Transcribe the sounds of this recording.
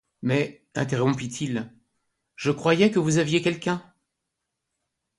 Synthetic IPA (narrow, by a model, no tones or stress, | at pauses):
mɛ | ɛ̃t̪eʁɔ̃pit̪ʰil | ʒəkχwajɛkəvuzavjekʲɛlkʲɛ̃